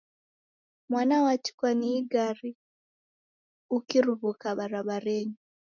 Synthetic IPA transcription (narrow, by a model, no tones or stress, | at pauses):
mwanawat͡ʃi̥kwaniːɡaɾi | ukiɾuβukaβaɾaβaɾeɲu